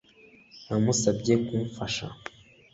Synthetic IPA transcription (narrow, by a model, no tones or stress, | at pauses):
amusabɟekumfaʃa̰